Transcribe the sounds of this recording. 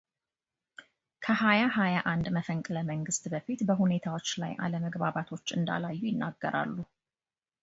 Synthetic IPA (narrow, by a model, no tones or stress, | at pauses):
kʰəhajaɦajaʔand̪məfəŋkʼləməŋɡɨst̪bəfit̪bəɦune̞t̪ʰawo̞t͡ʃːla̰jʔa̰ləməɡbaβat̪ʰo̞t͡ʃːɨnd̪a̰lajːujɪnːaɡːə̰ɾa̰lːu